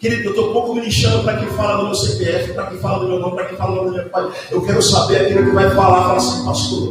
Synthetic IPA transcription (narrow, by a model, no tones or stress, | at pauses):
keɾid̪ewt̪oũpowkʊiliʃɐ̃d̪ʊpɾɐkẽj̃falɐd̪ʊ̃mesepeɛfɪpɾɐkẽj̃falɐd̪ʊmewɡõpɾɐkẽfalɐ̃d̪ʊmefpal | ewkɛɾʊsabeɾakilʊkɪvajfalapalasẽpast̪oɾ